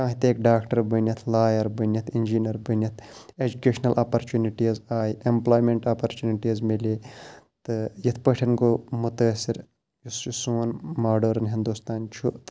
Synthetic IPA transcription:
kãːɦit̪eːkɖaːkʈɐɾbɐnjɐt̪ʰlaːjɐɾbɐnʲɐt̪ʰind͡ʒiːnɐɾbɐnʲjɐt̪ʰeːd͡ʒukeːʃnɐlʔaːpɐɾt͡ʃuːniʈizaːjiʔemplaːjmeɳʈaːpɐɾt͡ʃuːniʈizmiliːt̪ɨjɐt̪ʰpəʈʰɐnkomʊt̪ɐɐsiɾ | jusjusuːnmaːɖoːɾɐnɦind̪ust̪aːnt͡ʃʰut̪

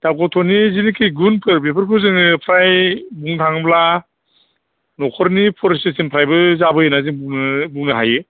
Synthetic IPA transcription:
d̥akɔtʰɔnizinikʰijɡunpʰɯɾbepʰɯɾkʰɯzɯŋɯpʰɾajbuŋtʰaŋbla | nɔkʰɔɾnipʰɔɾsisinpʰɾajbɯzabɯjɯnaziŋbbuŋɯɦaje

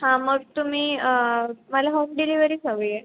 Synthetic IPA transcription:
ɦãməɡ̚t̪um̤iːəməlaɦoːmɖiliʋəɾiːsəɡɭije

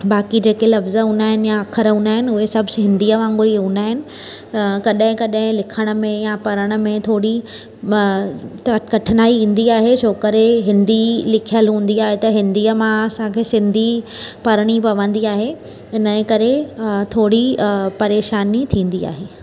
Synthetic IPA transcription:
baːkid͡ʑeːkelɐfzəɦũːnd̪aːɦɪnɪjaɐkʰəɾɦũːnd̪aːɦɪnɪʊɦesɐbʱɦɪ̃nd̪iːəʋãːŋɡʊɾiɦũːnd̪aːɦɪnɪ̆ | kɐɗɦɪ̃kɐɗɦɪ̃lɪkʰəɽ̃ə̆mẽjapɐɾəɽ̃ə̆mẽt̪ʰoːɽi | tkɐʈʰənaːiũːn̆d̪iaːɦeʃʰoːkəɾeɦɪ̃nd̪ilɪkʰijəlɦũːn̆d̪iaːɦet̪ɐɦɪ̃nd̪iːəmãɐsãkʰeːsɪ̃nd̪ʱipɐɾɽ̃ipɐʋə̃nd̪iaːɦe | ɪnə̃kɐɾet̪ʰoːɽipɐɾeːʃaːnit̪ʰĩːn̆d̪ia̰ːɦeː

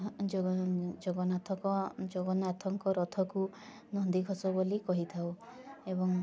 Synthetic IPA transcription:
d͡ʒoɡɔnat̪ʰɔkɔd͡ʒoɡɔnat̪ʰɔŋkɔɾɔt̪ʰɔku | nɔnd̪iɡʱɔsɔbolikɔɦit̪ʰawebɔŋ

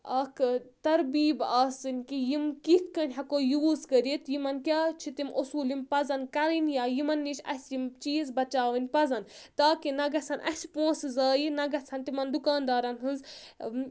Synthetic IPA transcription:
ɐkʰt̪ɐɾbiːbaːsɨnʲkijimkit̪ʰkɐnʲɦɐkoːjuuskəɾit̪jimɐnkʲjaːt͡ʃʰit̪imʔusuːlimpɐzɐnkɐɾinjaːjimɐnːit͡ʃʰɐ̰sʲimt͡ʃiːzbɐt͡ʃaːʋɨnʲpɐzɐnt̪aːkinɐɡɐsʰɐnʔɐ̰sʲpõːszaːjinɐɡɐsʰɐnt̪imɐnd̪ukaːnd̪aːɾɐnɦɨnz

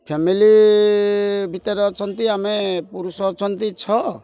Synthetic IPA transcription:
pʰemili | bʱit̪ɔɾɔt͡ʃʰɔnt̪iamepuɾusɔt͡ʃʰɔnt̪it͡ʃʰɔ

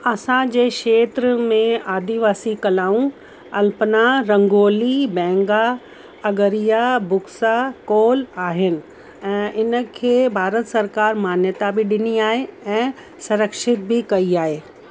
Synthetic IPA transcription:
ɐsãd͡ʑeːkʃeːt̪ɾəmẽaːd̪iʋaːsikɐlaːũ | ɐlpənaɾɐ̃ŋɡoːlibɛ̃ːŋɡa | ɐɡəɾijabʊksakoːlaːɦɪnɪ̆ | ɛ̃ːʔɪnə̆kʰeːbʱaːɾət̪sɐɾkaːɾmaːnjət̪abɪɗɪniaːɦeɛ̃ː | sɐɾəkʃɪt̪̚bɪkɐiaːɦeː

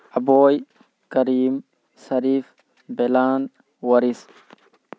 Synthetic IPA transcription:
ʔɐboːj | kɐɾiːm | sɐɾiːf | bɛlaːn | wɐɾis

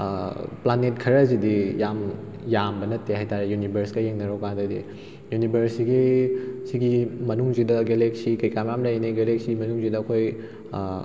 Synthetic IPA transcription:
planet̚kʰɐɾɐzidijam | jambɐnɐtːeɦajtaɾejunibʱɐɾskɐjeŋnɐɾowkadɐdḭ | junibʱɐɾsiɡisiɡimɐnuŋzidɐɡeleksikɐjkamjamlɐjniɡelek̚simɐnuŋzidɐːkʰoj

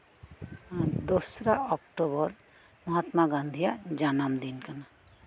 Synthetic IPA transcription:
d̪osɾaʔɔkʈobɔɾ | məɦat̪maɡãnd̪ʱijad͡ʒanamd̪inkana

